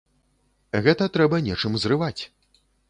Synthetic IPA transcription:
ɣɛt̪ɐt̪ɾɛbɐnʲɛt͡ʂɨmzrɨvat͡sʲ

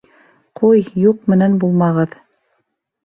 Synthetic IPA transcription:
qʰujjuq̚mɘ̆nænbulˠmɑʁɤð

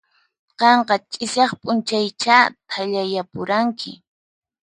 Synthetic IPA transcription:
qɑɴqɑt͡ʃʼɪsjɑχpʼʊnt͡ʃajt͡ʃat̪ʰaʎajapʊɾaŋkʰɪ̰

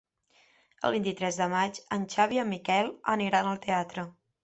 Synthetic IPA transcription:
ə̰lˠβ̞int̪it̪ɾɛzðəmat͡ʃənʲt͡ʃaβiəmːikɛlˠə̰niɾanəlˠt̪eat̪ɾə

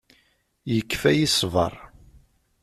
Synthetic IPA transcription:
jəkːfæjisvɑ̰ɾˤ

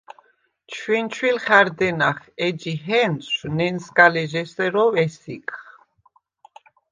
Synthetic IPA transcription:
t͡ʃʰwint͡ʃʰwilχæɾd̪ɛnaχɛd͡ʒiɦɛnʃnɛnskʼalɛʒɛsɛɾɔvɛsikχ

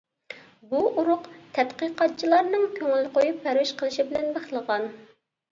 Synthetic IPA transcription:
buʔuɾʊqt̪ʰɛt̪qəqɑt̪̚t͡ʃʰilˠɑɾnɨŋkʲʰøŋylqʰojupʰːɛɾwɪʃqəlˠɨʃibɪlɛnbeχlˠəʁɑn

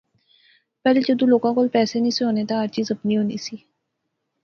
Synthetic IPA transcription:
pɛːled͡ʒəd̪ũːloːkãːkoːlpɛːsenĩːsɦoːneːt̪ãəɾt͡ʃiːzəpniːɦoːnḭːsiː

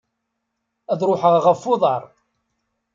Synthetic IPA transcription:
æðɾoħəʁʁəfːʊðˤɑɾˤ

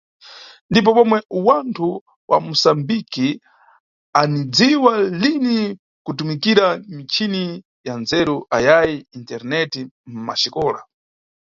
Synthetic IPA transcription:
ndip̬ɔpɔmwɛwantʰu | wʔa̰musambiki | anid͡ziwalini | kutumikiɾamit͡ʃʰini | janzɛɾuʔajajiintɛɾnɛtim̩ma̰ʃikɔːla̰

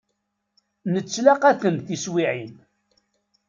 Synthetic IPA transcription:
nət͡sːlaqæθənθiswiʕin

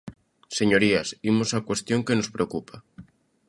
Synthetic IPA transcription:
seɲoɾiasimosakwest̪joŋkenospɾeokupʰa

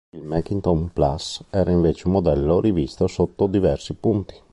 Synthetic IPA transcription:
ilmɛkːint̪onplasɛːɾaiɱveːt͡ʃeumːod̪ɛlːorivist̪osot̪ːod̪ivɛrsipunt̪i̥

